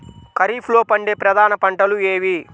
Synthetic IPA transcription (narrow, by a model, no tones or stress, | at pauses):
kɐɾiːpʰlo̞ːpɐɳɖeːpɾɐd̪aːnɐpɐɳʈɐlueːʋi